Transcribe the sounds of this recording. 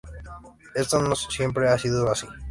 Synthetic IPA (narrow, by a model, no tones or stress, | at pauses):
et̪anossijemp̬ɾeasiðoasi